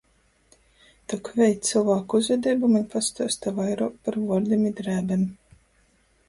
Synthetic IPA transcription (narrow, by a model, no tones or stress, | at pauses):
t̪ɔkvʲɛjt̪t̪silˠvaːkuzvʲɛd̪ʲɛːbumaɲpast̪uɔst̪avajɾɔːkpaɾvuɔɾd̪ʲimid̪ɾæːbʲɛm